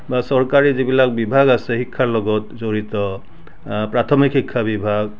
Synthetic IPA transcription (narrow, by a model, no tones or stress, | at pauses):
basɔɹkaɹizibilak̚bibʱaɡasɛhikʰːaɹlɔɡɔtzoɹitɔ | pɹatʰɔmikʰhikʰːabibʱaɡ̚